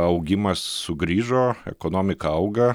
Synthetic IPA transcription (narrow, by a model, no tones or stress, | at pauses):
ɐʊɡʲɪmɐsːʊɡɾʲiːʒoːɛ̰koːnoːmʲɪkɐɐʊɡɐ